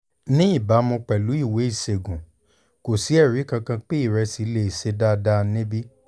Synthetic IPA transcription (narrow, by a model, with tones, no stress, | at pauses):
nĩ˦i˦˨ba˨˦mɔ̃˧k͡pɛ˨lu˨˦i˦˨we˨˦i˦˨se˨ɡũ˨ | ko˨si˨˦ɛ˦˨ɾi˨˦kã˧kã˧k͡pe˦i˦˨ɾɛ˧si˨˦le˧˨i˨se˧da˦˧da˦˧nẽ˦bi˦